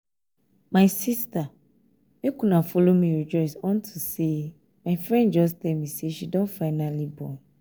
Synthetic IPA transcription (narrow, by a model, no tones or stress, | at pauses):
maɪsista | mekũnãfolomĩɹid͡ʒɔɪsɔ̃ntʰuse | maɪfɹɛ̃nd͡ʒɔstɛlmĩseʃidɔ̃nfaɪnalibɔ̰̃n